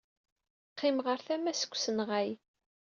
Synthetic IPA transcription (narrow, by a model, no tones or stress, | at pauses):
qːɪmʁəɾθæmæsə̥kʷːsənʁæj